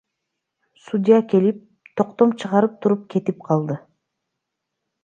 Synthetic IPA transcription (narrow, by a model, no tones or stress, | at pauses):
sud̪ʲijake̞lip̚ | t̪ʰo̞qt̪o̞mt͡ʃʰɯʁɑɾɯp̚t̪ʰuɾup̚kʰe̞t̪ip̚qʰɑlˠd̪ɯ